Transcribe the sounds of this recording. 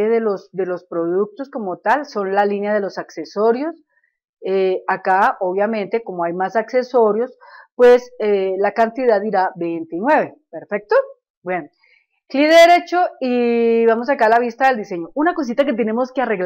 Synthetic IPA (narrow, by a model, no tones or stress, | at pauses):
eðelosd̪e̞lo̞spɾo̞ðuk̚t̪o̞sko̞mo̞t̪also̞nlalinjaðe̞lo̞sakseso̞ɾjo̞s | eakaoβjamẽ̞nt̪e̞ko̞moajmasakse̞so̞ɾjo̞spwe̞selakant̪iðaðiɾabe̞jnt̪inwe̞βe̞peɾfe̞k̚t̪o | bwjen | kliðeðeɾe̞t͡ʃo̞iβamo̞s̬akalaβist̪aðeld̪ise̞ɲo̞unako̞s̬it̪aket̪̬e̞ne̞mo̞skeare̞ɣl